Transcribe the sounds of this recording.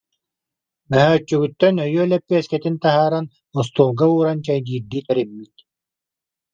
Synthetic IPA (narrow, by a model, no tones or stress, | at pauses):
bɛɦœːt͡ʃːyɡyt̪ːœnœjyœlɛpːiɛskɛt̪int̪aɦaːɾan | ɔs̬t̪uːlɡauːɾant͡ɕajd̪iːɾd̪iːt̪ɛɾimːit̪